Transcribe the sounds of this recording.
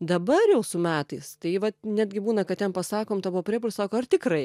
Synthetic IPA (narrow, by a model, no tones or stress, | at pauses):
d̪ɐbɐrjɛʊsʊmʲæːt̪ɐɪst̪ɐɪʋɐnʲæːd̪ʲɡʲɪbuːnɐkɐtt̪ʲɛnpɐsɑːkoːmt̪ɐbuʋopʲɾʲiːpʊlʲsɑːkoːɐrt̪ʲɪkrɐɪ